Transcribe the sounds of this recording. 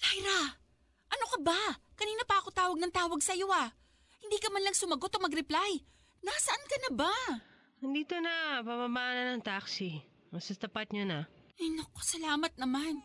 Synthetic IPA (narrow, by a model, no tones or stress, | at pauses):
lajɾa | ʔɐno̞kɐbakɐniːnɐpaːkot̪aːwɐɡ̚nɐŋt̪aːwɐɡsɐjo̞ʔa | hɪnd̪iːkɐmanlɐŋsʊmɐɡo̞t̪omɐɡɾɪplaj | nasɐʔankɐnɐba | ɐnd̪iːt̪onɐpɐmamaanɐnɐŋt̪aksi | mɐsɐt̪ɐpat̪̚ɲonaɐnokːo̥sɐlaːmɐt̪̚nɐman